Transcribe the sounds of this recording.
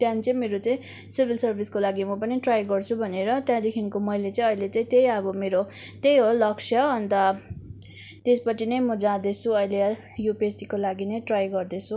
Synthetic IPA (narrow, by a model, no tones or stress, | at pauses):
t̪jãnit͡sʌ̃ĩmeɾot͡sãĩ | sibʱilsʌrbʱiskolaɡimʌpʌniʈrajɡʌrt͡sʰubʱʌneɾʌt̪jãd̪ekʰinkomʌjlet͡sʌĩʌjlet͡sʌĩt̪ejʌbʌmeɾot̪ejɦolʌksʰjʌːnt̪ʌ | t̪espʌt͡sinʌjmʌd͡zãd̪et͡sʰuʌjle | jopesikolaɡinʌjʈrajɡʌrd̪et͡sʰu